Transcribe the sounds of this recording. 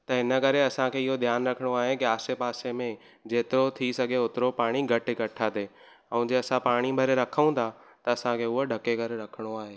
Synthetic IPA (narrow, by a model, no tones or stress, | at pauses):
t̪ɐɦɪnəkɐɾeɐsãkʰeːɪɦod̪ʱjaːnɾɐkʰəɽ̃oaːɦekiaːsepaːsemẽ | d͡ʑeːt̪ɪɾot̪ʰisɐɡʱeʊt̪ɪɾopaːɽ̃iɡʱɐʈɪɡɐʈʰad̪eː | ɐ̃ũd͡ʑeːɐsãpaːɽ̃ibʱɐɾeɾɐkʰəũt̪ʰa | t̪ɐːsãkʰeːʊɦoɖʱɐkekɐɾeɾɐkʰəɽ̃oaːɦeː